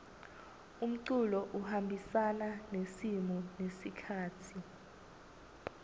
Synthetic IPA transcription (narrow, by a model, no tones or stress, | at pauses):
um̩ǀulɔʔuhambʱisananesimɔnesikʰaːtʰi